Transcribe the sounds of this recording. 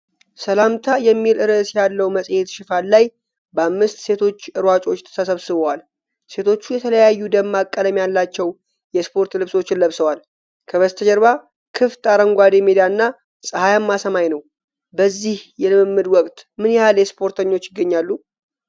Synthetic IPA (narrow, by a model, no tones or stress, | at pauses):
səlamt̪ʰajɛmːilɨɾəsjalːəwməsʼjet̪ʃɪfallaj | bəamːɨst̪se̞t̪ʰo̞t͡ʃːɨɾwat͡ʃʼo̞t͡ʃːt̪ʰə̥sʰəsəβsɨβəwal | se̞t̪ʰo̞t͡ʃːujɛt̪ʰələjajːud̪əmːakʼːəd̪əmjalːat͡ʃːɛw | jɛspʰo̞ɾt̪lɨβso̞t͡ʃːɪnlːəβsəwal | kʰəβəst̪ʰəd͡ʒɛɾβa | kʰɨft̪ʼaɾəŋɡʷad̪emed̪ijaɨnːa | sʼəhajamːasəmajnəw | bəzːihjɛlɨmɨmːɨd̪wɔkʼt̪mɨnjɛhaljɛspʰo̞ɾt̪ʰəɲːo̞t͡ʃːɪɡːəɲːalːu